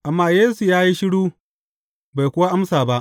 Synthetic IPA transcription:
ʔa˨mːaː˦jeː˦su˨jaː˦ji˦ʃɪ˦ɽuː˦ | ba˨jkʷʊ˦wa˦ʔa˦msaː˨ba˦ʔ

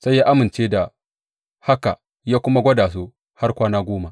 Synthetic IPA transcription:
sa˦jːaː˦ʔa˦mɪ˨nt͡ʃeː˦da˨ | ha˦ka̰˨ | jaː˦kʷʊ˦ma˦ɡʷɐ˦daː˨s̬u˦ | ha˦rkʷaː˦naː˦ɡʷoː˦ma˨

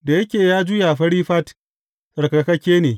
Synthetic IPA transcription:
da˨jɐ˦kʲeː˨jaː˦d͡ʒʊ˦ja˨ɸɐ˦ɽiː˦ɸɐ˦t | sɐ˨ɾkɐ˨kɐ˦kʲeː˦neː˨

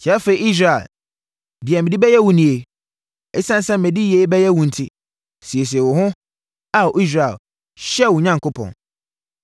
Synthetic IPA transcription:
t͡ɕʰi˨˦a˦fe˨i˨i˦s̬ɾa˨ḛ˨l | dɪ˨ɛ˨mɪ̃˨di˦bɛ˦jɛ˦wʊ̃˨nĩ˨e˨ | ɛ˦sã˦n̩˦sɛ˦m̩˨mɛ̃˨di˦je˦bɛ˦jɛ˦wũ˨n̩˨tʰɪ˦ | si˨e˨s̬i˨e˨wʊ˨ɦʊ̃˦ | a˨ʔi˦s̬ɾa˨ḛ˨l | ɕɛ˦˨wʊ˨ɲã˦˨ŋkʰʊ˦pʰɔ̰̃˨n

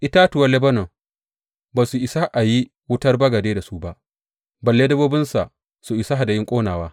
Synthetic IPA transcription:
ʔɪ˦ta˦tʊ˨wɐ˦lɛ˦bɐ˦no˨ | baː˨su˨ʔɪ˨sa˦ʔa˨ji˦ | wʊ˦tɐ˦rbɐ˦ɡɐ˨deː˦da˨su˦ba˦ʔ | bɐ˨lːeː˦dɐ˦boː˦bɪ˦nsa˨ | su˨ʔɪ˨sa˦a˨da˨jɪ˦ŋkʷʼoː˦naː˨waː˦

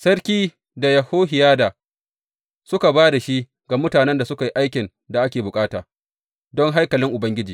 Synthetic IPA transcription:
sɐ˦ɽkʲiː˦ | da˨jɐ˨hoː˦ɦɪ˨jaː˦da˨ | sʊ˦ka˨baː˦da˨ʃi˦ | ɡa˨mʊ˦taː˨nɛ˦nda˨sʊ˦ka˨ji˦ʔa˦jkʲɪ˨n | da˨ʔa˦kʲeː˨bʊ˨kʼaː˦ta̰ː˨ | dɔ˦ŋɦa˦jkɐ˨lɪ˦ŋʔʊ˨bɐ˦ŋɡʲɪ˦d͡ʒiː˨

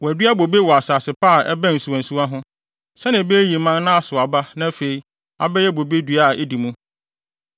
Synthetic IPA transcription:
wɔ˨æ˨dɥa˦bo˨be˦wɔ˨a˨saː˨sɪ˨pʰa˦˨ʔɛ˦bæ̃˦n̩˨su˨ã˨nsu˦a˦ɦʊ̃˦ | sɛ˦nɪ̃˨be˦ji˨mã˦nːã˦a˨sʊ˨a˨ba˦nã˦fe˨i˨ | a̰˨bɛ˦jɛ˦bo˨be˦dɥa˦˨ʔe˦di˨mũ˦

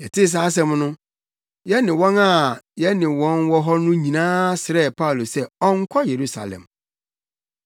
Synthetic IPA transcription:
jɛ˨tʰɪ˦s̬aː˦s̬ɛ̃˦mnʊ̃˦ | jɛ˦nɪ̃˨wɔ̃˦na˦˨jɛ˦nɪ̃˨wɔ̃˦nwɔ˦ɦɔ˦nʊ̃˦ɲĩ˨nãː˦sɪ˨ɾɛ˦˨pʰa˦u˨lo˨sɛ˦ɔ˦ŋ˦kʷʰɔ˦je˨ɾu˦sa̰˨lɛ̰̃˨m

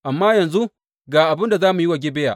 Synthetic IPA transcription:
ʔa˨mːaː˦jɐ˨nzu˦ | ɡaː˨ʔa˨bɪ˦nda˨zaː˦mu˨jwa˨ɡʲɪ˦bɛ˦ja̰˨ʔ

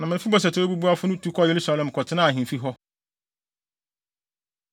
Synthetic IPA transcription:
nã˨mɪ̃˨fɪ˦bɔ˨s̬ɛ˨tʰɪ˨˦ɛ˦bu˦bu˦a˦fʊ˦nʊ̃˦tʰu˦kʰɔ˦˨je˨ɾu˦sa˦lɛ̃˨m˨kʰɔ˨tʰɪ˦nã˦˨ɦĩ˨m˨fi˦ɦɔ˦

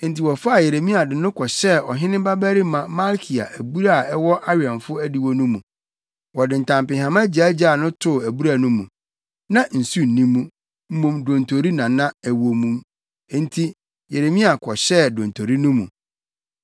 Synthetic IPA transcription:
n̩˨˦ti˨wɔ˨fa˦a˦˨je˨ɾe˨mĩ˦a˨dɪ˨nʊ̃˦kʰɔ˨ɕɛ˦ɔ˨ɦɪ̃˦nɪ̃˦ba˦bæ˦ɾi˦mã˨ma˦lkʰi˨a̰˨ʔæ˨bu˦ɾa˦˨ɛ˦wɔ˦ʔa˦ɥi˨ã˨mfʊ˦æ˦di˨wɔ˦nũ˦mṵ̃˨ | wɔ˨dɪ̃˨n̩˨tʰã˨m˨pɪ̃˨ɦhã˨mã˦d͡ʑi˨æ˦d͡ʑa˦˨nʊ̃˦tʰʊ˦˨æ˨bu˦ɾa˨nũ˦mũ˨ | nã˨n̩˨su˦n̩˨nĩ˦mːũ˦ | m̩˦mõ˨mdõ˨ntʰo˨ɾi˦nã˨nã˦æ˨wo˨mũ˨m˦ | n̩˦tʰi˦ | je˨ɾe˨mĩ˦a˨kʰɔ˨ɕɛ˦˨dõ˨ntʰo˨ɾi˦nũ˦mṵ̃˨

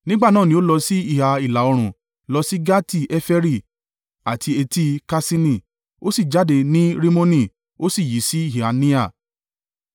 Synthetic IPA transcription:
nĩ˦ɡ͡ba˦˨nãː˦˨nĩ˦o˦lɔ˧si˦i˦˨ha˨i˨la˨o˧ɾ̃ũ˨ | lɔ˧si˦ɡa˦ti˦˨ɛ˦fɛ˦ɾi˦˨ | a˨ti˧e˧ti˧ka˧sĩ˦nĩ˨ | o˦si˦˨d͡ʒa˨˦de˧nĩ˦ɾi˦mõ˦nĩ˦˨ | o˦si˦˨ji˨˦si˦i˦˨ɦi˨a˨nĩ˦a˦˨

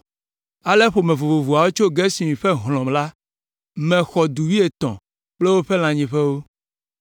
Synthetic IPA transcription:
a˨le˦ɸo˨mɛ̃˨vo˨vo˨vu˨a˨wo˦t͡ʃo˦ɡe˦si˨mĩ˨ɸe˦ɦlɔ̃˨mla˦ | mɛ̃˨xɔ˨d̪u˨wi˦e˨t̪ɔ̰̃˨ | k͡ple˦wo˦ɸe˦l̃ã˨ɲĩ˨ɸɛ˦wo˦

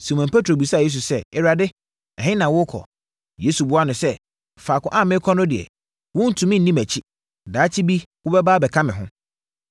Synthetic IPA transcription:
si˨mã˨mpʰe˦tʰɾo˨bu˨saː˦˨je˦s̬u˨sɛ˦ɛ˨ɾa˨dɪ˦ | ɛ˨ɦɪ̃˦nã˨wʊ˦kʰɔ̰˨ | je˦su˨bʊ˦a˦nʊ̃˨sɛ˦ | faː˨kʰʊ̃˦ʔã˦˨mɪ̃˦kʰɔ̃˦nʊ̃˦dɪ˨ɛ̰˨ | wʊ̃˦n̩˨tʰũ˨mɪ̃˦n̩˨nĩ˦mæ˨t͡ɕʰi˦ | daː˨˦tʰi˦bi˦wʊ˦bɛ˦baː˦bɛ˨kʰã˦mɪ̃˨ɦʊ̃˦

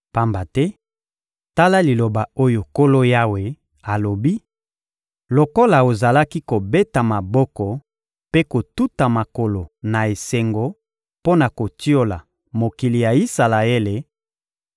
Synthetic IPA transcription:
pa˦mba˨tɛ˦ | ta˦la˦li˨lo˨ba˨o˦jo˨ko˦lo˦ja˦we˨ | a˨lo˨bi˦ | lo˨ko˦la˨o˨za˨la˦ki˦ko˨be˦ta˨ma˨bɔ˦kɔ˨ | pe˦ko˨tu˦ta˨ma˨ko˨lo˨na˨e˨se˨ŋɡo˨ | po˦na˨ko˨ti˦o˦la˨ | mo˨ki˨li˨ja˨i˦sa˨la˨e˦le˨

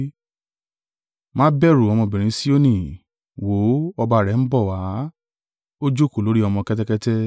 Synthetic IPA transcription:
mãː˦bɛ˦˨ɾu˨ɔ˧mɔ̃˧bĩ˨ɾ̃ĩ˨˧˦si˦o˦nĩ˨ | wo˨˦ɔ˧ba˧˨ɾɛ˨˦n̩˦bɔ˦˨wa˨˦ | o˦d͡ʒo˦˨ko˨lo˨˦ɾi˦ɔ˧mɔ̃˧kɛ˦tɛ˦kɛ˦tɛ˦

